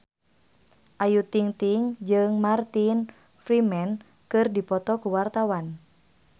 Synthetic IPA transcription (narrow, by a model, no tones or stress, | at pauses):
ʔajut̪iŋt̪iŋd͡ʒɨŋmart̪in | fɾimɛn | kɨrdipɔt̪ɔkuwart̪awan